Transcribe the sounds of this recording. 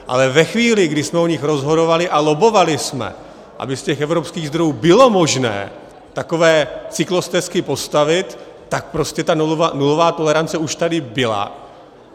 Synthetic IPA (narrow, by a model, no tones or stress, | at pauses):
ʔa̰lɛvɛxviːlɪɡdɪsmɛoɲɪxɾo̞zɦo̞do̞valɪʔalo̞bo̞valɪsmɛ̰ | ʔa̰bɪscɛxʔɛvɾo̞pskiːɣzd̪ɾo̞juːbɪlo̞mo̞ʒnɛ̰ː | t̪ako̞vɛːt͡sɪklo̞st̪ɛskɪpo̞st̪avɪt̪ː | ak̚pɾo̞scɛt̪ananulo̞vaːt̪o̞lɛɾant͡sɛuʃt̪adɪbɪla̰